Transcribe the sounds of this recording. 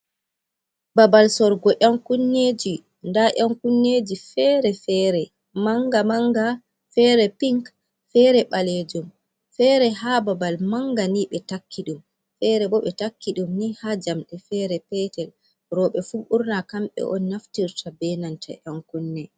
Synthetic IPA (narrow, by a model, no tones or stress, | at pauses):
babalsɔɾɡɔʔaŋkunːeːd͡ʒi | ndaʔaŋkunːed͡ʒifɛɾɛfɛɾɛ | maŋɡamaŋɡa | fɛɾɛpiŋk | fɛːɾɛɓaled͡ʒum | fɛɾɛɦababalmaŋɡaniɓɛtakʰːiɗum | fɛɾɛbɔɓɛtakːiɗumnihad͡ʒamɗɛfɛɾɛpɛtɛl | ɾɔɓɛfuɓuɾnakamɓɛ̰ʔɔ̰nːaftiɾtʰabɛnantʰa̰ʔaŋkunːɛ